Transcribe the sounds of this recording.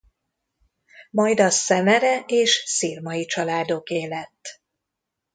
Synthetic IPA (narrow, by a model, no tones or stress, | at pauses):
mɒjd̪ɒsɛmɛɾɛeːʃsirmɒjit͡ʃɒlaːd̪o̞keːlɛt̪ː